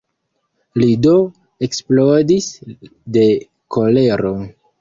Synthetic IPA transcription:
lido̞ | e̞ksplodisde̞ | kʰo̞le̞ɾo

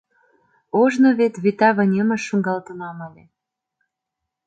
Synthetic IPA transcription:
oʒnoβet̪βit̪ɑβə̆nʲəmə̆ʃːuŋɡɑlt̪əmɑməle

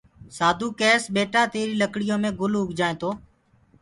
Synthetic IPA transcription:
saːd̪ʱuːkeːsɓeːʈaːt̪eːɾiːləkɽɪjõːmẽːɡʊlʊɡʱd͡ʒaːẽːt̪oː

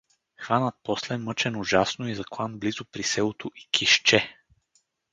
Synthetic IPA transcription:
xvanət̪̚pɔslɛmɤt͡ʃɛnʊʒasnoizɐklˠanblizʊpɾisɛlˠot̪oʔi̥kʰiʃt͡ʃɛ

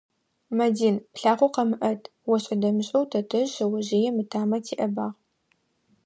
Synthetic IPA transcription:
mɐdiːnpɬaːʁʷʊqɐmɨʔɐtʰʼ | wɔɕʼɐdɐmɨɕʼɐwtʰɐtʰɐʒɐwɐʑijɛmɨtʰaːmɐtʰiːʔɐbaːʁ

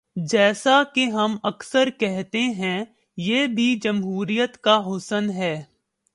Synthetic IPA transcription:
d͡ʒɛːsakeɦɐmɐksəɾkɛɦt̪eɦɛ̃ | jeːbʱid͡ʒɐmɦuːɾijət̪kaɦʊsənɦɛː

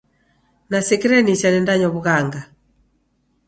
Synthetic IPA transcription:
nasɛkiɾɛnisanɛndaɲɔβuɣaŋɡa

